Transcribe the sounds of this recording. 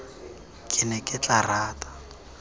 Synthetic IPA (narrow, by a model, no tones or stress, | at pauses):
kʼɪnɛkʼɪt͡ɬaraːtʼḁ